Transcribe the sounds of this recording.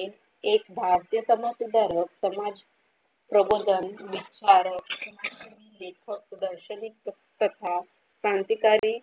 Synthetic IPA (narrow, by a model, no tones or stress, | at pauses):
ekbʱaɾt̪jəsəmat̪ud̪aɾəksəmad͡z | pɾəbod̪ʱənʋit͡ɕaɾəkəumilekʰək̚sud̪əɾɕənik̚ə | t̪ət̪ʰa | sant̪ikaɾiː